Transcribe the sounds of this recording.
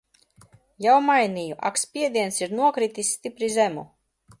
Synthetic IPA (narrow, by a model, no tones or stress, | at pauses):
jawmajnijuʔa̰kspʲiɛd̪iɛnsiɾnuɔkɾit̪isʲːt̪ipɾizemṵ